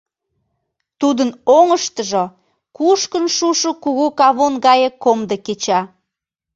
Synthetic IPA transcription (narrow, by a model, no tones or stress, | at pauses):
t̪ud̪ənoŋəʃt̪əʒo | kuʃkənʃuʃokuɣukɑβonɣɑjekomd̪əket͡ɕɑ